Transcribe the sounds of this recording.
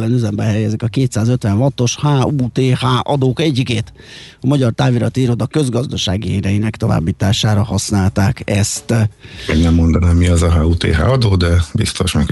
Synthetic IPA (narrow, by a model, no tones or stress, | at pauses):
lɛnyzɛmbɛɦɛjɛzikɒkeːt̪saːzøt̪ʋɛnɦɒt̪ːo̞ʃhaːuːt̪eːhaːʔɒd̪oːkɛɟːikeːt̪ | ɒmɒɟɒrt̪aːviɾɒt̪iːɾo̞d̪ɒkø̞zɡɒzd̪ɒʃaːɡiɛɾɛjinɛkt̪o̞va̰ːbːiːt̪aːʃaːɾɒhɒsnaːlt̪aːkɛst̪mɛɡnɛmːo̞nd̪ɒnaːmːiɒzɒɦaːuːt̪ḛːɦa̰ːɒd̪oːd̪ɛbḭst̪o̞ʃmɛk